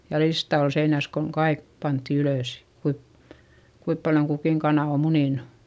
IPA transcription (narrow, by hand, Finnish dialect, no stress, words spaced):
jɑ listɑ ol seinæs koŋ kɑik pɑntːi yløˑs kuip kuip pɑljoŋ kukiˑŋ kɑnɑˑ o muniˑnu̥